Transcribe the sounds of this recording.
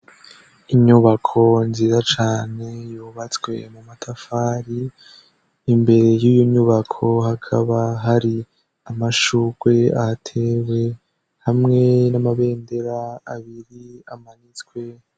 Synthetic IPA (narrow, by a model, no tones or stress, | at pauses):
iɲuβakʰo̞nziːzat͡ʃaːne̞juːβat͡swe̞̰mumatʰafaːɾiː | mbe̞ɾe̞jiːjoɲɲuβakʰo̞hakʰaβaɦaɾi | amaʃuɡ̥we̞atʰewe̞ | hamŋe̞namaβe̞ːnde̞ɾaːβiɾiamanit͡swe̞